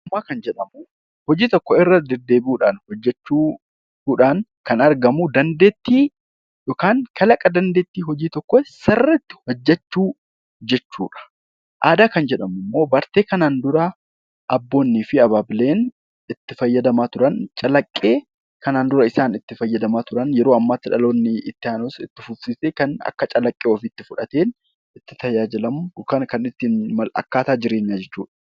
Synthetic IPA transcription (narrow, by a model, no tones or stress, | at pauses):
mːaːkɐnd͡ʒɛᶑɐmʊ | hɔd͡ʒiːt̪ɔkːɔɪrːɐd̪ɛd̪ːe̞ːbɪuːᶑaːnhɔd͡ʒːɛt͡ʃːuː | uːᶑaːŋkɐnɐɾɡɐmud̪ɐnd̪e̞ːt̪ːiː | joːkaːŋkʰɐlɐkʼɐd̪ɐnd̪e̞ːt̪ːiːɦɔd͡ʒiːt̪ɔkːɔsɐrːɐt̪ːɪ̥hɔd͡ʒːɛt͡ʃːuː | d͡ʒɛt͡ʃːṵːᶑɐ̥ | ʔaːd̪aːkɐnd͡ʒɛᶑɐmʊmːo̞ːbɐɾt̪e̞ːkɐnaːnd̪ʊɾɐ | ʔɐbːo̞ːnːiːfɪɐbaːbɪle̞ːn | ɪt̪ːɪfɐjːɐd̪ɐmaːt̪ʊɾɐnt͡ʃʼɐlɐkʼːe̞ː | kɐnaːnd̪ʊɾɐɪsaːnɪt̪ːɪfɐjːɐd̪ɐmaːt̪ʊɾɐnjɛɾoːɐmːaːt̪ːɪᶑɐ̰lo̞ːnːɪɪt̪ːɪaːnosɪt̪ːɪfʊfsiːseːkɐnɐ̰kːɐt͡ʃʼɐlɐkʼːeːofit̪ːɪfʊᶑɐt̪e̞ːn | ɪt̪ːɪt̪ɐjaːd͡ʒɪlɐmʊkɐnkɐnɪt̪ːɪnmɐlɐ̰kːaːt̪aːd͡ʒɪɾe̞ːɲːaːd͡ʒɛt͡ʃːṵːᶑɐ̥